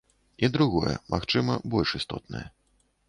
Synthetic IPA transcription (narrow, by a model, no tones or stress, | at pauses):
id̪ɾuɣɔjɛ̰mʔaxt͡ʂɨmɐbɔlʲʂist̪ɔt̪nɨ̰jɛ